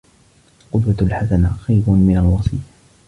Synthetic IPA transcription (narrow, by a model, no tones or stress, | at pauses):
qʊd̪walħasanaxajbʊnmɪnalwɑsˤiːja